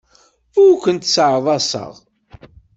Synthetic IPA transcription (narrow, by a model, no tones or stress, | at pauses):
ʊɾkʷənt̪səʕðˤɑsˤə̰ʁ